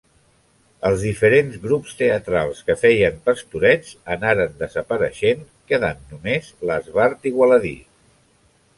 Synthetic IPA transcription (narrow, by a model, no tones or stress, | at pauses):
əlˠzðifəɾenzɣɾupst̪eət̪ɾalˠskəfɛjəmpəst̪uɾɛd͡zənaɾənd̪əzəpəɾəʃen | kəðanːumezləzβaɾt̪iɣwələðḭ